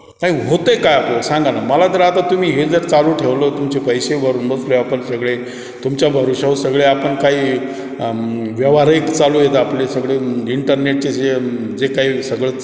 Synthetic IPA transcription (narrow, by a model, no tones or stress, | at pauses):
naɦiɦot̪əjkajapləsãŋɡanaməlat̪əɾat̪at̪um̤iːɦed͡zəɾt͡saluːʈʰeʋləːt̪umt͡ɕepəjsebəɾuːnbət͡sloeapəɳsəɡɭe | t̪umt͡ɕjabʱəɾuɕausəɡɭeapəɳkaɦiː | ʋjəʋaɾekt͡saluːjet̪əaplesəɡɭeiɳʈəɾneʈ̚t͡sed͡ze | d͡zekaɦiːsəɡɭə